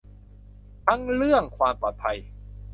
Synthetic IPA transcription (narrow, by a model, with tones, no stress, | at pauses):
t̪a˥˩ŋɾɯ˥˩əŋkʰwaː˧mpɔː˨˩t̪̚pʰa˧j